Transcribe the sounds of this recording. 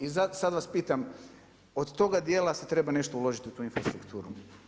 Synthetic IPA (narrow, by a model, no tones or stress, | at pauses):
izasad̪ʋaspiːt̪am | od̪t̪o̞ɡad̪jeːlaset̪ɾe̞bane̞ʃt̪oulo̞ʒit̪iut̪uːinfɾast̪ɾukt̪ʰuːɾu